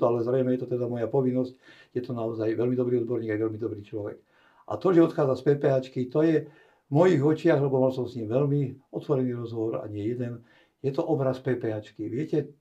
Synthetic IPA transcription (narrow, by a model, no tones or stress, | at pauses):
ɔalɛzɾɛjmɛjɛt̪ɔt̪ɛd̪amɔjapɔʋinːɔsc | jɛt̪ɔnaɔzajʋɛlmid̪ɔbɾiːɔd̪bɔɾɲiːɡajʋɛlmid̪ɔbɾiːt͡ʃlɔʋɛ̰k | ʔa̰t̪ɔʒɛɔt̪xaːd͡zaspɛːpɛɦat͡ʃkit̪ɔjɛ | mɔjiːɣɔt͡ʃɪaɣlɛbɔmalsɔmsɲiːmʋɛʎmiɔt̪ʋɔɾɛniːɾɔzɦɔʋɔɾa̰ɲɪɛjɛd̪ɛn | jɛt̪ɔʔɔbɾaspɛːpɛɦat͡ʃkiʋɪɛcɛ